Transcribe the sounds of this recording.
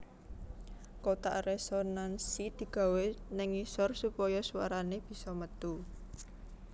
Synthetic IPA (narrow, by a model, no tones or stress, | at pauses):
kot̪a̰resonansid̪̥i̤ɡ̥a̤wenɪŋisɔrsupɔjɔsuwa̰ɾaneb̥i̤sɔmət̪u